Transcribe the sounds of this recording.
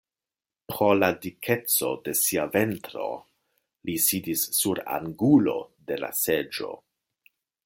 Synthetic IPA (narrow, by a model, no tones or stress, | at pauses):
pɾo̞ladikʰe̞t͡so̞̰de̞siave̞ntɾo̞̰ | lisidisːuɾa̰ŋɡulo̞̰de̞la̰se̞d͡ʒo̞̰